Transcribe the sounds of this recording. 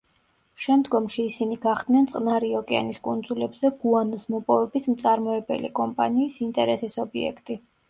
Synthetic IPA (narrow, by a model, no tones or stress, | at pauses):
ʃɛmd̪ɡɔmʃiːsiniɡ̥aχd̪̥nɛnt̪sʼqʼnaɾiɔkʼɛa̰niskʼund̪zulɛbzɛɡuanɔsmɔpʼɔvɛbismt̪sʼaɾmɔɛbɛ̰lḭkʼɔmpʼa̰niːsint̪ʼɛɾɛsisɔbiɛ̰kʰt̪ʼi